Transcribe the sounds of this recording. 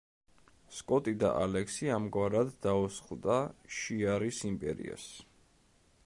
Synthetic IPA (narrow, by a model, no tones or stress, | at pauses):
skʼɔt̪ʼid̪a̰ʔalɛksiamɡwaɾad̪ːausχld̪aʃiaɾisimpʼɛ̰ɾḭa̰s